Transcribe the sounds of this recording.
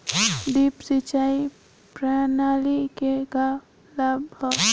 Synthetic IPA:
d̪ipsit͡ʃai | pɾanalikeka | labɔ

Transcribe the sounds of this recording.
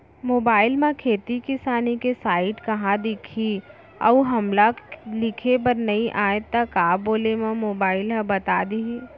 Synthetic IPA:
moːbaːɪlmãkʰeːt̪ikɪsaːnikesaːɪʈkɐɦãd̪ɪkʰi | ɐ̰ɦɐmlalɪkʰepɐɾnɐɦĩʔaːet̪akaːboːlemõmoːbaːɪlɦãbɐt̪aːd̪ii

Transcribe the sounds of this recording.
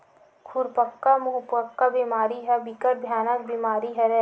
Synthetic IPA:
kʰuɾpəkːamʊɦʊpəkːabimaːɾiɦɛbikəɾbʱjaːnək̚bimaːɾiɦɛɾɛ

